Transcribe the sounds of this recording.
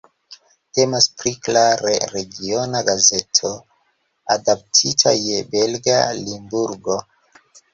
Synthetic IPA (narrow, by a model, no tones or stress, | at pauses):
te̞maspɾiklaɾe̞ɾeɡio̞naɡaze̞tʰo | adap̚tʰitʰa̰je̞be̞lɡalimbuɾɡo̞